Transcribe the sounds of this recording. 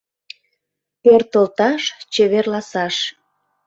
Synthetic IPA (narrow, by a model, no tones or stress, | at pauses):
pørt̪əlt̪ɑʃt͡ɕeβerlɑsɑʃ